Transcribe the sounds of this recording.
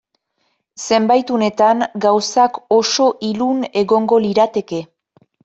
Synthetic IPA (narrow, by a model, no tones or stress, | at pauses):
se̞mbajt̪une̞t̪aŋɡawsako̞so̞ʔilune̞ɣo̞ŋɡo̞liɾat̪e̞ke̞